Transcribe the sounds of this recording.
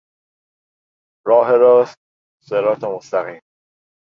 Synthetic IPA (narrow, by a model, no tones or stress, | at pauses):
ɾɒːɦeɾɒs̚ | seɾɒːt̪ʰemost̪æɣiːm